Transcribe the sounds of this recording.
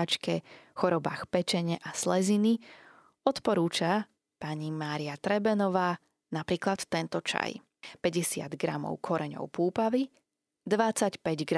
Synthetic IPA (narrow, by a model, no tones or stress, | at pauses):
at͡ʃkɛxɔɾɔbaːxpɛt͡ʃɛɲɛʔaslɛzini | ɔt̪pɔɾuːt͡ʃa | paɲimaːɾiat̪ɾɛbɛnɔʋaː | napɾiːklat̪ːɛnt̪ɔt͡ʃa̰j | pɛɟɛsɪa̰d̪ɡɾa̰mɔ̰ʊkʰɔɾɛɲɔ̰ʊpuːpaʋi | d̪ʋat͡sacpɛɟɡɾ